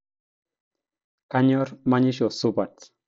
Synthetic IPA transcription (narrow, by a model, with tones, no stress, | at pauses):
ka˦ɲɔ˦rma˦ɲi˦ʃɔ˨su˦ba˨t